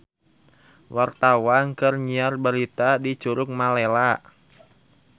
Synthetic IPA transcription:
wart̪awankɨrɲiarbaɾit̪adi̥d͡ʒ̥uɾʊk̚malela

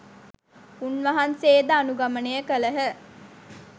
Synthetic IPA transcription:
unʋɐɦanseːd̪əanuɡamənejəkələɦə

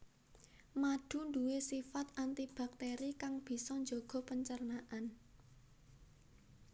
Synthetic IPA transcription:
maɖ̥ṳnd̪uwesifat̪ʔant̪ib̥a̤k̚t̪eɾikaŋb̥i̤sɔɲd͡ʒoɡ̥ɔ̤pəɲt͡ʃərnaʔan

